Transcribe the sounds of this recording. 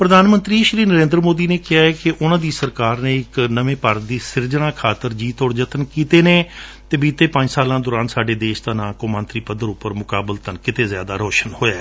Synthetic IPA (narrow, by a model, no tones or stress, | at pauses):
pɾəd̪aːnmə̃nt̪ɾiːʃɾiːnəɾẽːnd̪ɾəmoːd̪iːneːkɪaːɛːkɪʔʊnãːd̪iːsəɾkaːɾnẽːɪknəʋẽːpaɾd̪iːsɪɾd͡ʒəɽ̃ãːkʰaːt̪əɾd͡ʒiːt̪ɔːɽd͡ʒət̪ənkiːt̪eːneː | t̪eːbiːt̪eːpə̃ɲd͡ʒsaːlãːd̪ʊːɾãːnsaːɖeːd̪eːʃd̪aːnãːkomə̃nt̪ɾiːpəd̪əɾʊpːəɾmʊkaːbəlt̪ənkɪt̪eːzja̰ːd̪aːɾoːʃənhoːjaː